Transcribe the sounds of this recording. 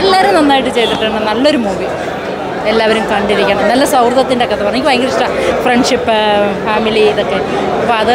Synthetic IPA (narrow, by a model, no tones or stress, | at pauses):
lːaːɾumnɐnːaːjiʈːɨt͡ɕe̞jt̪ːiʈːaɳːɨnɐlːo̞ɾumuːʋi | elːaːʋɐɾumkɐɳɖiɾikʲːɐɳɐmnɐlːɐsɐwrðɐt̪ːindekːeɐt̪ːɨpɐrɐɲːikʲːʋɐjŋɡɾiʂʈafreɳɖʂipːɨfaːmiliːðokːe̞ | ɐpːoɐðɨ